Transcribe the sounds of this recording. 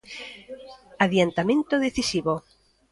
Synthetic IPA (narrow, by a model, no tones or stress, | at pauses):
aðjant̪amẽnt̪oðeθisiβo